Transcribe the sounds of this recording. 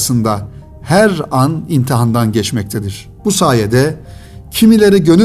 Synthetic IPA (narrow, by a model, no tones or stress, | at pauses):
sɯnd̪a | hæɾanint̪ʰiɦand̪anɟɛt͡ʃmɛc̚t̪ʰed̪iɾ̥ | b̥usaːjed̪ɛ | cʰimilʲe̞ɾiɟø̞ny